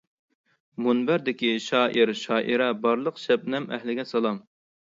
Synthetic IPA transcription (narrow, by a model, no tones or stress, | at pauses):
munbæɾd̪ɪkʲiʃɑːʔiɾʃɑːʔiɾɛbɑɾlˠəqʃɛp̚nɛmɛ̰hlɪɡʲɛsɑlˠɑm